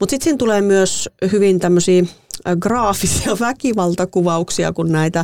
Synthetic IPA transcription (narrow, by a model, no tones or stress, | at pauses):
mut̪sit̪siːnt̪uleːmyøshyʋint̪æmːøsiːɡrɑːfisiɑʋækiʋɑlt̪ɑkuʋɑuksiɑ̰kunnæit̪æ